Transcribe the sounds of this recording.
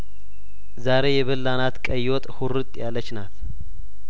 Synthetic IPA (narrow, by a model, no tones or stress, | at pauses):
zaɾe̞jɛβəlːanat̪kʼəjot̪ʼhuɾɨt̪ʼjalːət͡ʃːnat̪